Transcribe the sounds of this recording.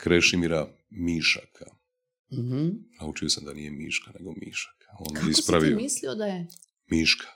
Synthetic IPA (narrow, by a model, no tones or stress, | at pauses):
kɾeʃimiɾa | miʃakʰa | h̩naut͡ʃiosamd̪anije̞miːʃkaneɡo̞mḭʃḁkʰaoːnispɾaʋiomisliod̪aje | miːʃkʰḁ